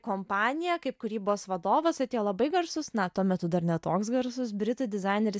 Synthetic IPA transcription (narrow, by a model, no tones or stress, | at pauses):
koːmpɑːnʲɪjɛkɐɪp̚kʊɾʲiːboːsʋɐd̪oːʋɐsɐt̪ʲiɛlˠɐbɐɪɡɐrsʊsnɐt̪uɔmʲɛt̪ʊd̪ɐɾnʲɛt̪oːksɡɐɾsʊsbʲɾʲɪt̪ʊd̪ʲɪzɑɪnʲɛɾʲɪs